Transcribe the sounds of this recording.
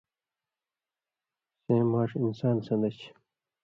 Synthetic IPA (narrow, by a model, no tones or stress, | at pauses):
ɕẽːmaːʂinsaːnsɐnd̪ɐt͡ɕ